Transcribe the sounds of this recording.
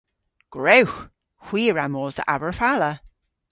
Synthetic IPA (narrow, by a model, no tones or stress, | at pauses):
ɡ̥ɹowx | xw̥iːɹamɔːzðə̰ʔavəɹfalə